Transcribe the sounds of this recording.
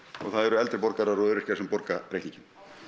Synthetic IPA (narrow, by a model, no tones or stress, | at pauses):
ɔ̰ɣθaðɛɾʏɛlt̪ɾɪpɔɾkaɾaɾɔʏɾɪ̥casɛmpɔɾkapɾejt̪iɲcɪn